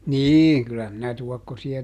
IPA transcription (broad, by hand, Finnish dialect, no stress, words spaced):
niːŋ kylːæ minæ tuɔkːosiɑ